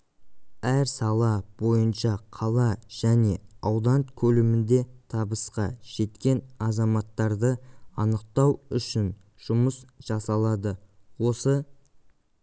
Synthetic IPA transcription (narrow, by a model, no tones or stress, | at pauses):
æɾsɑlˠɑb̥o̞jənʃɑqʰɑlˠɑʒ̥æne̞ɑwd̪ɑnkʲʰɵlɪmɪnd̪e̞t̪ʰɑbəsqɑʒ̥e̞t̪kʲe̞nɑzɑmɑt̪ːɑɾd̪əɑnəq̚t̪ɑwʏʃɪn | ʒ̥ʊməsʒ̥ɑsɑlˠɑd̪əwo̞sə